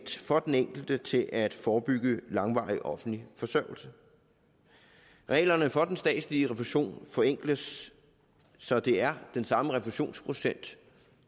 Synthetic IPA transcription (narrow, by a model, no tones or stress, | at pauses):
d̥fɒ̽d̥eneŋ̰ɡ̥l̩d̥ət͡sʰe̝lʔæd̥fɒːb̥yɡ̥əlɑ̈ŋʋɑ̈ɪiʔɒ̽fn̩lifɒ̽sœɐʊ̰l̩sə | ʁɛ̰ːlɐnəfɒ̽d̥ensd̥ɛ̰ːd̥sliəʁɛfuɕo̝̰ːnfɒ̽eŋ̰ɡ̥ləs | ɒ̽d̥e̝æɐd̥ensɑ̈məʁɛfuɕo̝̰ːnspʰʁo̝sen̰d̥